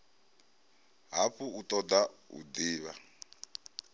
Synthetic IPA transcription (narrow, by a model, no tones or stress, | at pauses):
ɦapuut̪ʼɔd̪aṵd̪iːβa